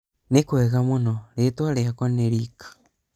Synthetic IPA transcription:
nekwɛɣamonɔɾetwaɾeakɔneɾikḁ

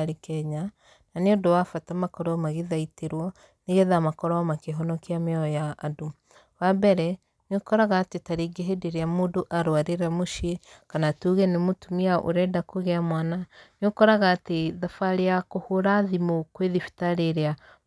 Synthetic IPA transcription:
ɾekɛɲa | naneondowafatamakɔɾɔmaɣeðaiteɾwɔ | neɣɛðamakɔɾɔamakeɦɔnɔkeameɔjaːdo | wabɛɾɛ | nokɔɾaɣaːtetaɾeɡeɦedeɾeamoːdoʔaɾwaɾeɾamoʃiekanatuɣɛnemotumiaʔo̰ɾɛdakoɣɛamwananokɔɾaɣaːteðafaɾeakohoɾaðimokweðifi̥taɾeɾea

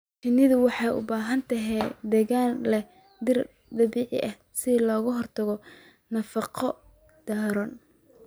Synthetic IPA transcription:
t͡ʃɪnɪðʊwɑħɑjʊ̰baːɦɐnt̪ʰɐɦɛjd̪ɛːɣaːnlɛ | d̪ɪr | d̪ɐβiːʕɪ̰ʔɐh | sɪlɔːɣʊɦɔrt̪ʰɐɣɔ | nɐfɑqʰɔ | d̪̥aːɾɔːn

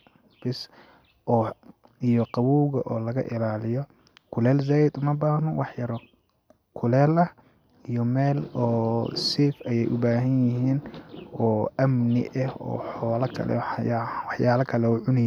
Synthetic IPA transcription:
b̥ɪs | ʔɔː | ijɔqɑwuːɣɐʔɔːlɐɣɐ̰ʔɪlaːlɪjɔ | kʰʊlɛːlzaːjɪd̪ʊmɐbaːhnɔwɑħjɐɾɔ | kʰʊlɛːlɐh | ijɔmɛːlɔːsifɐjɛjʔʊbaːɦɐnjɪɦiːnɔːʔɐmnɪ̰ʔɐhɔ̰ːħɔːlɐkʰɐ̰lɛ̰jwɑħjaːlɐkʰɐlɛɔːʕʊnɪj

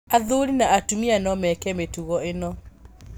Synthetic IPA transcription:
aðoɾinaatumianɔmɛkɛmetuɣɔenɔ

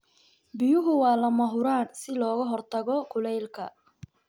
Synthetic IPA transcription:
bɪjʊɦʊwɑːlɐmɐɦʊɾaːnsɪlɔːɣɐɦɔrt̪ʰɐɣɔkʰʊlɛjlkʰɐ̰

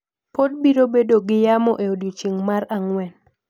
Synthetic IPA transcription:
pod̚biɾobedoɡɪjamɔʔeodot͡ʃiŋmaɾaŋwɛn

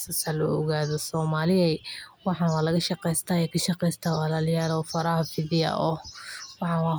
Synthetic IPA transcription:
sɐsɐlɔ̰ɔɣaːðɔsɔːmaːlɪɛwɑħɑnwɑːlɐɣɐʃɑqɛjst̪ʰaːɛkʰɐʃɑqɛjst̪ʰaːwalaːljaːlɔːfɐɾahɐfɪðɪjɐ̰ʔɔwɑħɑnwɑː

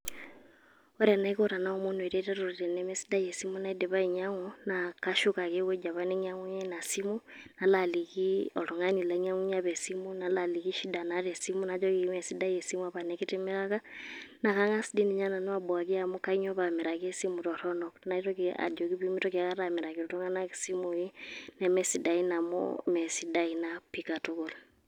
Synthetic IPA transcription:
oɾanaikoɾanaomundueɾetaɾuɾiɾenemesi̥dajesimunaideβaiɲaŋonakaʃukakewed͡ʒaβaneɲaŋuɲenasimu | nalalikioloŋanilaɲaŋuɲaβesimunalaliɣiʃidanaɾesimunad͡ʒoɣiimesidajesimuaβanekitimeɾaɣanakaŋasidiniɲananwaboakiamokaiɲɔβamiɾakesimuɾɔɾɔnɔknaitɔkia̰d͡ʒɔkiβimitɔkiakaɾamiɾakioɾuŋanakisimujinɛmɛsidainamo̰mɛsidainapikatukula

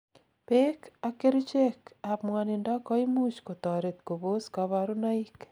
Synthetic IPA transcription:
pekakeɾut͡ʃekapmwanendakɔimut͡ʃkot̪ɔɾet̪koβoskaβaɾunaik

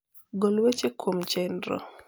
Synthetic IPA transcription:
ɡolwet͡ʃekʰwomt͡ʃɛndɾɔ̰

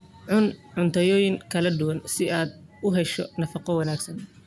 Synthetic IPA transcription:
ʕʊnʕʊnt̪ʰɐjɔːjɪŋkʰɐlɐd̪ʊwɐnsɪaːd̪ʊɦɛʃɔnɐfɑqɔwɐnaːɡsɐn

